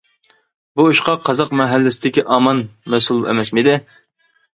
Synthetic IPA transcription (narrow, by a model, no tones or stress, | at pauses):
buuʃqɑqʰːɑzɑqmɛɦælːɪsɪd̪ɪkʲiʔɑːmɑnmɛsulˠɛ̰mɛsmid̪ɪ